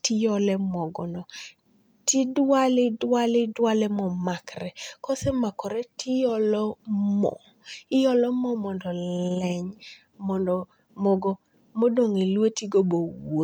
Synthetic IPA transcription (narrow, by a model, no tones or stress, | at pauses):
tɪjɔlɛmɔɡɔnɔ | tidwalɪdwalɪdwalɛmɔmakɾɛkɔsɛmakɔɾɛtʰɪjɔlɔmɔ̰ | ɪjɔlɔmɔmɔndɔlɛɲ | mɔndɔ | mɔɡɔ | modoŋelwetiɡobowo